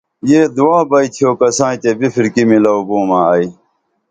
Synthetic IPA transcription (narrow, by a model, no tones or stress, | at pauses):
jeːd̪uwãːbɐit̪ʰijoːkɐsãːt̪ebifʰiɾkimilɐubõːmãːɐi